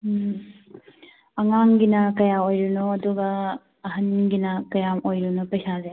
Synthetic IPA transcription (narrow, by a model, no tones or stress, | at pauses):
ɐŋaŋɡinɐkɐjaojɾunoɐduɡɐː | ɦɐnɡinɐkɐjamojɾunɐpɐjsaze